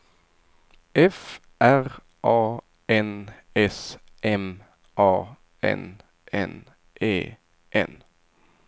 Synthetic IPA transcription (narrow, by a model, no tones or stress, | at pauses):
ʔɛf | ʔæʁ | ʔɑː | ɛn | ɛs | ʔɛm | ʔɑː | ɛ̰n | ʔɛ̰n | ʔeː | ʔɛ̰n